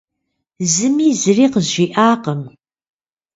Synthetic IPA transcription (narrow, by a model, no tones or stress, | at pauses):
zɨmiːzɨriːqəzʒiːʔaːqəm